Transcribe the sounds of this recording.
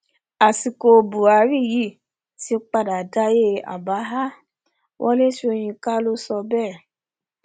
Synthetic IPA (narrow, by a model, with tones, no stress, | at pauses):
a˨si˨ko˧bu˨a˨˧˦ɾi˦˨ji˦˨ | ti˨˦o˦k͡pa˧da˨da˦je˦a̰˨ba˨˦ɦa˦ | wʔɔ̰˦le˦ʃo˧j̃ĩ˧ka˦lo˦sɔ˧bɛ˦˨